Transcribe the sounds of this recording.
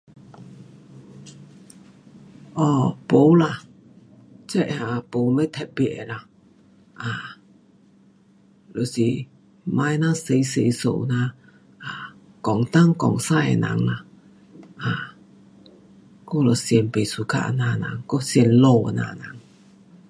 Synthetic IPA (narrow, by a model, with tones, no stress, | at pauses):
ʔɔ˧˩po˨˦wla˨ | t͡sɛ˦˨ʔa˨˧˨po˨˦wme˦t̪ʰɛ˧˨t̚bi˧˩˨ʔe˨la˨ | ʔaː˨˩ | lo˨si˨ | ma˧jna˥˧se˧jse˨˧˦jso̰˧˨na˧ | ʔa˨ | kɔ˨˩ŋt̪a˥˨ŋkɔ˨˩ŋsa˥˩jḛ˨na̰˨˦ŋla˧˨ | ʔa˨ | ko˥˧˦lɔ˨si˧ə˨˧˩npe˨su˨˧˨kʰa̰˧ʔna˧˨na̰˨˦ŋkɔ˧˦si˧ɛ˨˧˨nlo˧a̰˨na̰˧˨na˨˦ŋ